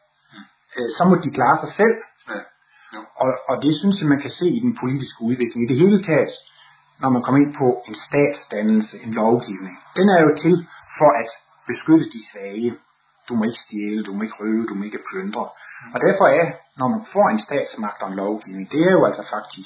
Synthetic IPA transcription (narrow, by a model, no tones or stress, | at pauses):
sɒ̽mɒ̽d̥ikʰl̥ɑ̈ːsɑ̈ɪsel̰ | ʔɒ̽ːd̥e̝synsjamænkʰæse̝̰ːid̥enpʰo̝lid̥isɡ̥əuð̞ˠʋe̝ɡ̥le̝ŋid̥eɦe̝ːlət͡sʰɛ̰ːd̥ | nɒmænkʰɒ̽me̝n̰pʰɒ̽e̝nsd̥ɛ̰ːd̥sd̥ænl̩səʔe̝nlɒʊɡ̥iʊne̝ŋd̥enæɐjo̝t͡sʰe̝lfɒ̽ʔæd̥ | b̥e̝sɡ̥øɾəd̥isʋɛjə | d̥umɒ̽e̝ɡ̥əsd̥jeːləd̥umɒ̽e̝ɡ̥əʁøːʊəd̥umɒ̽e̝ɡ̥əpʰlønd̥ʁɐɒ̽d̥æɐfɒ̽æɐnɒmænfɒ̰ːe̝nsd̥ɛ̰ːd̥smɑ̈ɡ̥d̥ɒ̽enlɒʊɡ̥iʊne̝ŋd̥e̝æɐjo̝æl̰sɒ̽fɑ̈ɡ̥̚d̥ʰisɡ̥